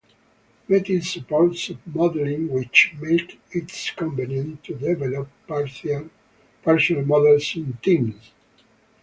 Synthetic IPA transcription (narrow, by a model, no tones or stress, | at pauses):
mɛt̪isəpɔɹtsɔvmɔd̪ɛlĩŋwɪt͡ʃmet | itskɔ̃mpənə̃nt̪ʰud̪ɛvɛlɔp | pɛɹsɔnalmɔd̪ɛlsĩnt̪ĩms